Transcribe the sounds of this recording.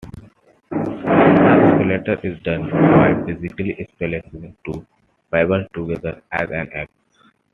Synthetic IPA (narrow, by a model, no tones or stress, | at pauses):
apleʈəɾʔɪzɖʌ̃nbaɪbɪzɪkəliʔɪspelesɪ̃ŋʈu | b̥aɪbəlʈuɡɛd̪əɾæzæ̃nɛp